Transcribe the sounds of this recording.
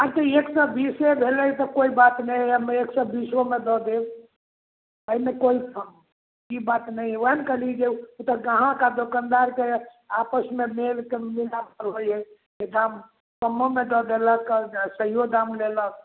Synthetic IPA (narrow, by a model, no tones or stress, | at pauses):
aɾt̪əeksəbisebʱelət̪ɔkoibat̪nəjmeeksəbisomed̪ɔd̪e | əimekoipʰ | kibat̪nəjɦɛəɦənkəlid͡ʒeut̪əɡãɦãkad̪okand̪aɾke | apəsmemelkemilapəɾɦojɦɛ | ed̪am | kəmːomed̪ɔd̪eləksəɦijod̪amlelək̚